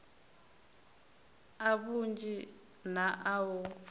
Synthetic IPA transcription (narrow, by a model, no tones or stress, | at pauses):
aβund͡ʒi | naʔawɔ